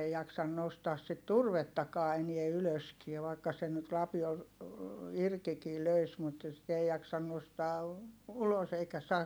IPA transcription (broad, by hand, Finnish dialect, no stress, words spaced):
ei jɑksɑn nostɑːs sit turʋetːɑkɑː enie yløskie ʋɑikːɑ sen nyt lɑpiol irkikiː løis mut sit ei jɑksɑn nostɑː ulos eikæ sɑːk